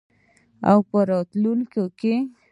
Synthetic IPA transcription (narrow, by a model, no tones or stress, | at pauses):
a̰wpəɾɔt̪lulkoke